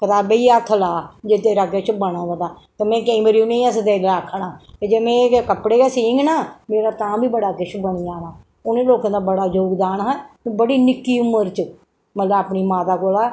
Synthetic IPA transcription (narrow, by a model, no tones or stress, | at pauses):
kət̪aːbeiːat̪ʰːlaːd͡ʒet̪eːɾaːket͡ʃbəɽ̃ãːd̪əd̪aː | t̪eːmɛ̃ːkẽːməɾjũnẽĩəsd̪eːlakʰːnaːt̪ed͡ʒeːmẽːkəpɽeːkeːsĩːŋɡnaːmeːɾaːt̪ãːbiːbəɽaːkɪʃbəɽ̃iːaːnaː | ʊnẽːloːkãːd̪aːbəɽaːd͡ʒoːɡd̪aːnɦə̃bəɽiːnɪkːiːʊməɾt͡ʃə | mət̪ləbapniːmaːt̪aːkoːlaː